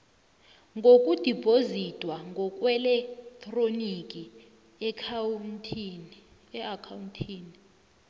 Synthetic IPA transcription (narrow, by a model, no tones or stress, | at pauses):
ŋɡʱokʼud̥ʱipʰʼozitʼwaŋɡʱɔkʼwɛlɛktʰʼronikʼi | ɛakʰauntʰiːni